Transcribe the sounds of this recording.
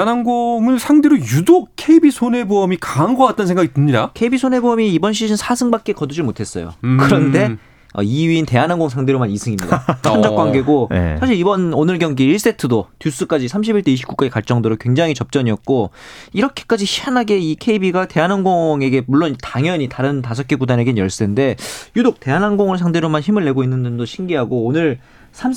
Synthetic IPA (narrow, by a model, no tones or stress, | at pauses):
nanɡoŋɯɭsʰaŋdeɾojudok̚kʰe̞ibisʰone̞boʌmikaŋɡʌwat̚t͈ʌnsʰeŋɡaɡitɯmɲidakʰe̞ibisʰone̞bʌmiːbʌnɕ̬ʰiɕʰinsʰasʰɯŋbak̚k͈e̞kʌdud͡ʑiɭmotʰe̞s͈ʌ̰jo̰kɯɾʌnde̞ | ʌ̰iɥiːnte̞anaŋɡoŋsʰaŋdeɾomanisʰɯŋimɲidat͡ɕʌnd͡ʑʌk͈waŋɡe̞ɡo̰sʰaɕʰiɾibʌnonɯɭɡjʌŋɡiiɭs͈e̞tʰɯdotjus͈ɯk͈ad͡ʑisʰamɕʰibiɭt͈ʰeiɕ̬ʰip̚k͈u̥k͈ad͡ʑikaɭt͡ɕ͈ʌŋdoɾokwe̞ŋd͡ʑaŋɦit͡ɕʌp̚t͡ɕ͈ʌɲiʌk̚k͈oiɾʌkʰe̥k͈ad͡ʑiɕʰi̥hanɦaɡe̞ikʰe̞ibiɡate̞anɦanɡoŋe̞ɡe̞muɭːonitaŋjʌɲitaɾɯntasʰʌk͈eɡudanɦe̞ɡenjʌɭs͈ende̞judok̚t͈e̞ɦanɦanɡoŋɯɭsʰaŋde̞ɾomançimɯɭːe̞ɡoinːɯndɯndoɕʰiŋɡiɦaɡoːnɯɾ | sʰam